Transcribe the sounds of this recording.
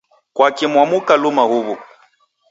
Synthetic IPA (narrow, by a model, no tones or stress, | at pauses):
kwakimwamukalumahuβu